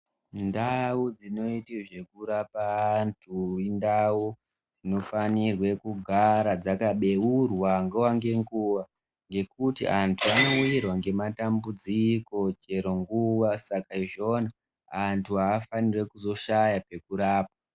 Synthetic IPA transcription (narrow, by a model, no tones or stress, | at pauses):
ndaud͡zino̞itiʐe̞kuɾapantʰuindau | d͡zino̞fanirwe̞kuɡʱaɾad͡zakaɓe̞wurwaŋɡewaŋɡe̞ŋɡuʋa | ŋɡe̞kutḭʔantʰuano̞uirwaŋɡe̞matambud͡ziko̞t͡ʃe̞ɾo̞ŋɡuʋasakaiʐo̞ːna | antʰuɦaːfanire̞kuzo̞ʃajape̞kuɾaːp̚a